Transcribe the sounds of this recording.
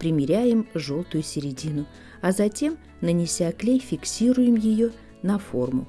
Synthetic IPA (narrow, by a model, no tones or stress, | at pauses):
pɾʲɪmʲɪɾʲæjɪmʐo̞lˠt̪ʊjʊsʲɪɾʲɪdʲinʊ | ɐzɐtʲe̞m | nənʲɪsʲaklʲejfʲɪksʲiɾʊjɪmjɪjo̞ | nɐfo̞rmʊ̰